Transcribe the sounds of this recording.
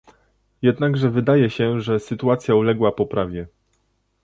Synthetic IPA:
jɛd̪naɡʐɛvɘd̪ajɛɕɛʐɛsɘt̪uat̪sʲjaulɛɡwapɔpɾʔavʲjɛ

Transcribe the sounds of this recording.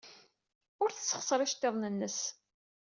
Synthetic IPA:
ʊɾθəsːə̥χsˤɾˤɪʃt̪ːeðˤnənːəs

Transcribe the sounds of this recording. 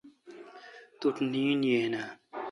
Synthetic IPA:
t̪uʈniːnjeːna

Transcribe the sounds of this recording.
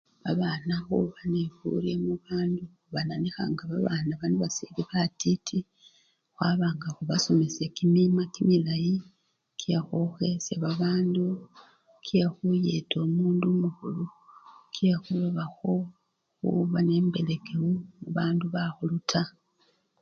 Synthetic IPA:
βaβanaxṵβanefṵlemuβaːnduxuβananixa̰ŋɡaβaβaːnaβanoβasiliβatitʰi | xwaːβaːŋɡaxuβaso̞me̞sekimimakimilaji | kʰijaxoxeseβaβaːndu | kʰijaxujeto̞ːmuːndumuxulukijaxuloβaxo̞ | xṵβane̞mbe̞le̞ɡewumuβaːnduβaxulutʰa

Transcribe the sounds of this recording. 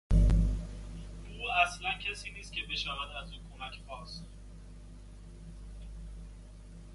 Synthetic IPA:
uːæslæncʰesiːniːst̪̚cʲʰebe̞ʃævæd̪æzuːkʰomæcʰpɒːs

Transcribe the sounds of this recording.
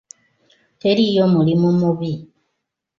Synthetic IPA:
te̞ɾijo̞mulimumuβi

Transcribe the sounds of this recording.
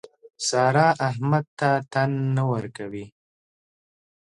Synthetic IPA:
sɑɾɑʔaɦmad̪̚t̪at̪anːawəɾkawi

